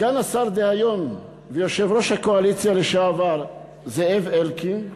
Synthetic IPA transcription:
ɡ̥anasaɾd̪ehajo̞n | vejo̞ʃe̞vʁo̞ʃhako̞alit͡sjaleʃaːvaʁ | zeevelkin

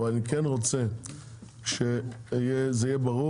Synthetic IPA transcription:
valanikɛnʁot͡se | ʃejɛzejɛbaʁu

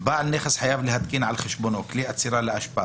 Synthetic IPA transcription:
baːʕɪnːeːxɪsħajaːblihat̪kiːnʕalxɪʃbuːnukliːʔat̪siːɾˤalɪʔaʃbaː

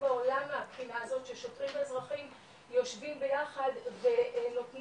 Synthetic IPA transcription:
ao̞lamapχinaazo̞tʃeʃo̞tʁimezʁaχim | jo̞ʃvimbe̞jaχad̪ve̞notn

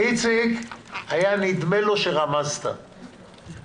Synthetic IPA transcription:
it͡sikajanid̪me̞lo̞ʃeʁamazt̪a̰

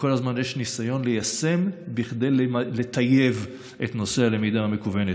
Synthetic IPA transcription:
ko̞lazmanjeʃnisajo̞nlejase̞mbiχd̪ejllet̪ʰaje̞v | ʔḛt̪no̞sealemidaamekuvene

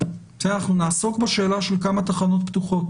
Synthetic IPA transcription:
z̥eanaχnunaːso̞kbeʃe̞ːlaʃe̞lkamat̪aχano̞t̪̚pt̪uχo̞t

